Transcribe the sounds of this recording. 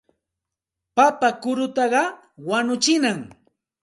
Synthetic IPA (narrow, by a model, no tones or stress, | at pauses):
papakʊɾʊt̪ɑɢɑ | wanʊt͡ʃɪnaŋ